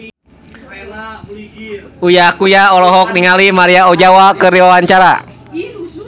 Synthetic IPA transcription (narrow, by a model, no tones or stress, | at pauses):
ujakujaɔlɔɦɔk̚niŋalimaɾiaɔd͡ʒawakɨriwawaɲt͡ʃaɾa̰